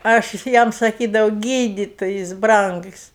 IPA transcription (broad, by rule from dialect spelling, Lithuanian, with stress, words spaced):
ɐʃ ˈjɛm sɐˈkʲiːdɐʋɐʊ ˈɡʲiːdʲɪtoːjɪs ˈbrɐŋks